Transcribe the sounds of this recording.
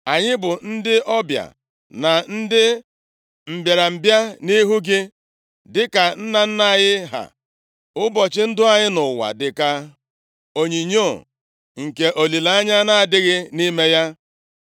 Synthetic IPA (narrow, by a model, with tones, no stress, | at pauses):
a˨ɲɪ˦bʊ˨n̩˦dɪ˦ʔɔ˦bja̰˨ | na˨n̩˦dɪ˦ | m̩˨bje˨ɾa˨m̩˨bja˦ni˦ɦu˦ɡɪ˦ | dɪ˦ka˨n̩˦na˨n̩˦na˦˨ɲɪ˦ɦa̰˨ | ʊ˦bɔ˨t͡ʃɪ˦n̩˦dʊ˦a˨ɲɪ˦nʊ˨wa̰˨dɪ˨ka˦ | o˨ɲi˨ɲo˦˨ | ŋ̩˨ke˨ʔo˨li˨la˦a˦ɲa˦na˦a˨dɪ˦ɣɪ˦ni˦me˦ja˦